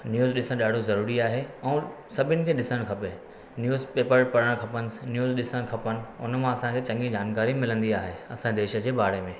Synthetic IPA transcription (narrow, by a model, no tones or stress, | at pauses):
njuːzɗɪsə̃ɗaːɖ̤ʱozɐɾuːɾiaːɦeɛ̃ː | sɐbʱɪnɪ̆kʰeːɗɪsəɽ̃kʰɐpe | njuːzpeːpəɾpɐɾəɽ̃kʰɐpənɪ̆snjuːzɗɪsəñkʰɐpənɪ̆ʊ̰nəmãɐsãkʰeːt͡ɕɐ̃ŋɡĩd͡ʑaːnkaːɾimɪlə̃nd̪iaːɦeɐsãed̪eːʃə̆d͡ʑeːbaːɽemẽː